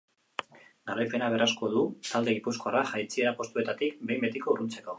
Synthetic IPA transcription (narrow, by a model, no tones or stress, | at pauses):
ɡaɾajpe̞naβ̞e̞rasko̞ðut̪ald̪e̞ɣipusko̞araʝajt͡sieapo̞st̪ue̞t̪at̪ikbe̞jmbe̞t̪iko̞urunt͡seko̞